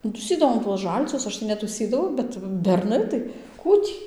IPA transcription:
nʊ tuːˈsʲiːdɐʋoːm tuɔs ˈʒɐlʲt͡ʃʲʊs ˈɐʃ tɐɪ nʲɛtuːˈsʲiːdɐʋɐʊ ˈbʲɛt bʲɛrˈnɐɪ tɐɪ ˈkuː tʲiː

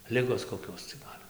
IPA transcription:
ˈlʲɪɡoːs koːˈkʲoːs t͡sʲɛ ˈɡɐlʲ

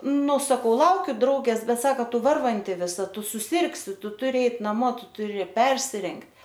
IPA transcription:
ˈnʊ sɐˈkɐʊ ˈlˠɐʊkʲʊ ˈdrɐʊɡʲeːs ˈbʲɛt ˈsɑːkɐ ˈtʊ ˈʋɐrʋɐnʲtʲɪ ʋʲɪˈsɐ ˈtʊ sʊˈsʲɪrksʲɪ ˈtʊ tʊˈrʲɪ ˈɛɪt nɐˈmoː ˈtʊ tʊˈrʲɪ ˈpʲɛrʲsʲɪrʲɛŋktʲ

